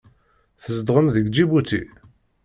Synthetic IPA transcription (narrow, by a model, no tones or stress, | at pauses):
θəzd̪ʁənðəɡd͡ʒibut̪ḭ